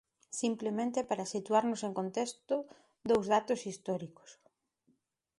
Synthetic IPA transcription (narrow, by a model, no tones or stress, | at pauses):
simplemẽnt̪epaɾasit̪uaɾnʊseŋkont̪est̪ʊ | d̪owzðat̪osist̪ɔɾiko̥s